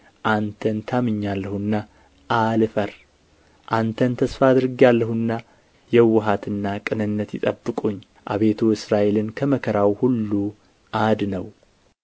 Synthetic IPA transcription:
ʔant̪ʰənt̪ʰamɨɲːalːəhuɨnːa | ʔalɨfəɾ | ʔant̪ʰənt̪ʰəsfad̪ɨɾɨɡialːəhuɨnːa | jɛwːʊɦat̪ɨnːakʼɨnɨnːət̪jɪt̪ʼə̰bːɨkʼuɲː | ʔa̰βe̞t̪ʰuɨsɾaʔe̞lɨnkʰəməkʰəɾawhulːu | ʔad̪nəw

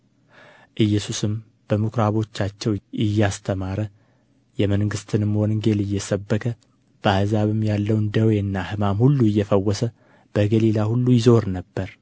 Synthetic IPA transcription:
ʔɨjːɛsusɨm | b̥əmukɾaβo̞t͡ʃːat͡ʃːɛwʔɪjːast̪ʰəmaɾə | jɛməŋɡɨst̪ʰɨnɨmwonɨŋɡe̞lɨjːɛsəbːəkʰə | b̥əahzaβɨmjalːəwnd̪əweɨnːahɨmamhulːuɨjːɛfəwːɔsə | b̥əɡəlilahulːujɪzo̞ɾnəbːəɾ

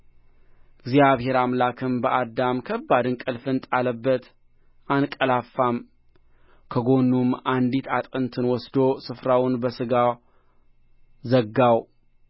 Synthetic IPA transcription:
ɡzijaβhe̞ɾamlakʰɨmbəʔad̪amkʰəbːad̪ɨnkʼɨlfɨnt̪ʼaləbːət̪ | ʔankʼəlafːam | kʰəɡo̞nːumand̪it̪ʰat̪ʼɨnt̪ʰɨnwɔsd̪o̞sɨfɾawʊnbəsɨɡa | zəɡːaw

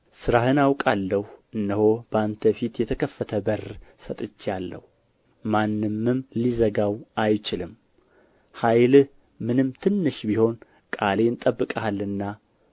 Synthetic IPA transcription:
sɨɾahɨnawkʼalːəhuɨnːəho̞bəant̪ʰəfit̪jɛt̪ʰəkʰəfːət̪ʰəbərsət̪ʼɨt͡ʃːjalːə̰hu | manːɨmːɨmlizəɡawʔajt͡ʃɪlɨm | hajlɨ | mɨnɨmt̪ʰɨnːɨʃbiho̞n | kʼale̞nt̪ʼəbːɨkʼəhalːɨnːa

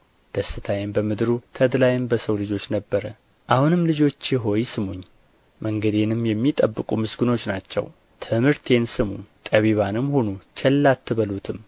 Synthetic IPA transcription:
d̪̥əsɨt̪ʰajɪmbəmɨd̪ɾut̪ʰəd̪lajɪmbəsəwlɨd͡ʒo̞t͡ʃːnəbːəɾə | ʔahunɨmlɨd͡ʒo̞t͡ʃːjɪɦo̞jsɨmuɲː | məŋɡəd̪e̞nɨmjɛmːit̪ʼəbːɨkʼumɨsɡɨno̞t͡ʃːnat͡ʃːɛ̰w | t̪ʰɨmɨɾt̪ʰe̞nsɨmut̪ʼəβiβanɨmhonut͡ʃʰɛlːat̪ːɨβəlut̪ʰɨm

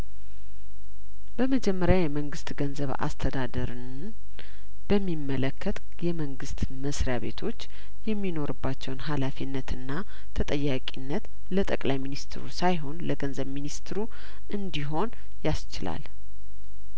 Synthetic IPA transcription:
bəməd͡ʒɛmːəɾjajɛməŋɡɨst̪ɡənzəβa̰st̪ʰəd̪ad̪əɾɨ | b̥əmːimːələkʰːət̪ | jɛməŋɡɨst̪ | məsɾjaβe̞̰t̪ʰo̞t͡ʃː | jɛmːino̞ɾɨbːat͡ʃːɛwnɦalafinːət̪ɨnːa | t̪ʰət̪ʼəjːakʼinːət̪ | lət̪ʼəkʼlajminist̪ʰɾṵsajɦo̞nləɡənzəβminist̪ɾu | ʔɨnd̪iɦo̞n | jast͡ʃɪla̰l

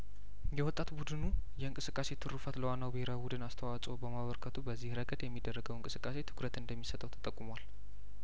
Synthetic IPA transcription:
jɛwɔt̪ʼːat̪bud̪ɨnujɛɨŋkʼɨsɨkʼːase̞t̪ʰɨɾufət̪ləwanːawbiheɾabud̪ɨnast̪ʰəwat͡sʼobəmaβəɾkʰət̪ʰubəzːihɾəɡəd̪jɛmːid̪ːərːəɡəwɨŋkʼɨsɨkʼːase̞t̪ʰɨ̥kʰɾət̪ɨnd̪əmːisət̪ʰʼːəwt̪ʰə̥t̪ʼəkʼːumwal

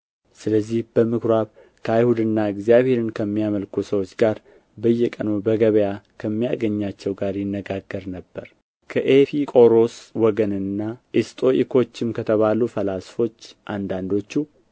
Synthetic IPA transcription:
sɨləzːihb̥əmɨkɾaβ | kʰəajhud̪ɨnːaɨɡzijaβhe̞ɾɨnkʰəmːijaməlkʰusəwo̞t͡ʃːɡaɾ | bəjːɛkʼənubəɡəβəjakʰəmːijaɡəɲːat͡ʃːɛwɡaɾjɪnːəɡaɡːəɾnəbːəɾ | kʰəʔefikʼo̞ɾo̞swɔɡənɨnːaʔist̪ʼo̞ʔikʰo̞t͡ʃːɪmkʰət̪ʰəβalufəlasfo̞t͡ʃːʔand̪and̪o̞t͡ʃːu

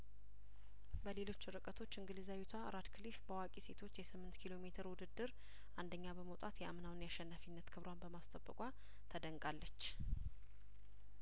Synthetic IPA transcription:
bəle̞lo̞t͡ʃːɨɾɨkʼət̪ʰo̞t͡ʃːɨŋɡɨlizawit̪ʰaɾad̪kʰɨlifbəwakʼise̞t̪ʰo̞t͡ʃːjɛsɨmːɨnt̪kʰilo̞me̞t̪ʰəɾwʊd̪ɨd̪ːɨɾ | ʔand̪əɲːabəməwt̪ʼat̪jɛamnawnjaʃːɛnːafinːət̪kʰɨβɾwanbəmast̪ʼəbːəkʼʷa | t̪ʰəd̪əŋkʼalːət͡ʃː

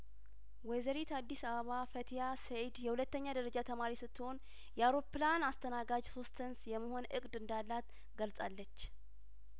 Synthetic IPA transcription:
wɛzəɾit̪ad̪ːisəβəβafət̪ʰijased̪jɛhulət̪ːəɲːad̪əɾəd͡ʒat̪ʰəmaɾisɨt̪ːɨho̞n | jɛawɾo̞pːlanast̪ʰənaɡad͡ʒso̞st̪ːənsjɛmːəho̞nʔɨkʼd̪ɨnd̪alːat̪ | ɡəlsʼalːət͡ʃː

